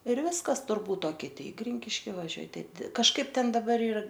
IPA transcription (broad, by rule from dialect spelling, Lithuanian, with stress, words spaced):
ɪr ˈʋʲɪskɐs tʊrˈbuːt oː kʲɪˈtʲɪ ɪ ˈɡrʲɪŋʲkʲɪʃʲkʲɪ ʋɐˈʒʲuɔj ˈtʲɛn dʲɪr kɐʃˈkɐɪp ˈtʲɛn dɐˈbɐr ˈiːr